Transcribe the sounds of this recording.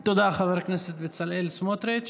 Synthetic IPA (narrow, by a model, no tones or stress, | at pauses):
t̪od̪aχaveɾkneset̪bet͡salelsmot̪ɾet͡ʃ